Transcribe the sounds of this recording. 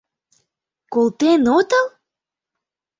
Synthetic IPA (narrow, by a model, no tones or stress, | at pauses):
kolt̪enot̪əl